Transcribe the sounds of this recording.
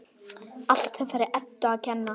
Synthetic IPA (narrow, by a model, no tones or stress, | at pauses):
al̥t̪ɛθaɾɪɾʔɛt̪ːʏaðcʰɛnːa